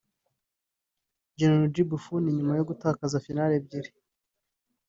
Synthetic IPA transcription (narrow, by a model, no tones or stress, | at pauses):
d͡ʒenolod͡ʒibufuniɲumajo̞ɡutaːkazafinaɾeb̚ɟiɾi